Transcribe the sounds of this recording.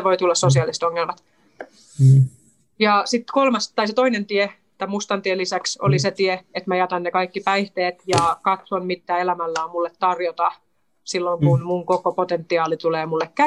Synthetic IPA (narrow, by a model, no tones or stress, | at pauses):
ʋoit̪ulːɑssosiɑlːˑiset̪oŋːelmɑt̪ | jɑsit̪ːkolmɑst̪ɑiset̪oinent̪ie | t̪ːæmust̪ɑnt̪ielːisækso̰liset̪ieet̪mæjɑt̪ɑnːekɑikːipæiht̪eːt̪jɑkɑt̪sonmit̪ːæːelæmælːæːmmulːet̪tɑrjot̪ɑ | silːoŋkunmuŋkokopot̪ent̪ːiɑːlit̪uleːmulːekkæ